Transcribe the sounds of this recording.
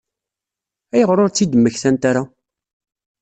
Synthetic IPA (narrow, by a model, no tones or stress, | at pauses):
æjəʁɾoɾt͡sːid̪əmːəçθænt̪aɾa